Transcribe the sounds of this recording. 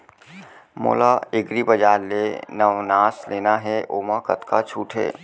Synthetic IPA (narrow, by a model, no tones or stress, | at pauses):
mo̰ːlaɪɡɾibəd͡ʒaːɾlenəʋnaːsleːnaɦɛʔoːmakət̪kat͡ʃʰuːʈʰɦɛ̰ː